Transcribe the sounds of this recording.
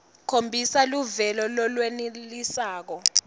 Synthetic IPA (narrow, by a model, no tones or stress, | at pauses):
kʰombʱisaluvɛlɔlɔlwenilisaːk̬ɔ